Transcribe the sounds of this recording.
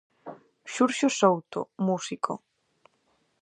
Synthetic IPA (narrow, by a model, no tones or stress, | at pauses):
ʃuɾʃosowt̪o̰musikʰo̰